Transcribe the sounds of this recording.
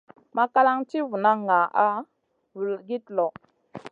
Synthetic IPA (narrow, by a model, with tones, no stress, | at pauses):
ma˦ka˦la˦ŋti˦vu˨na˦ŋːa˨a˦ | vu˨ɡi˦tlo˨